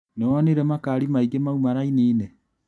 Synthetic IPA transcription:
newɔneɾɛmakaːɾimaiɡemaumaɾainiːne

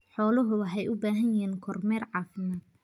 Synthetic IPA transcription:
ħɔːlɔɦʊɐħɛjʔʊbaːɦɐnjɪɦiːnkʰɔrmɛːrʕɑːfɪmaːd̪̥̚

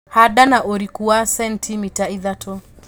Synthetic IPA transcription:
haɗanaʔɔɾikuasɛntʰimitaiðatʰɔ

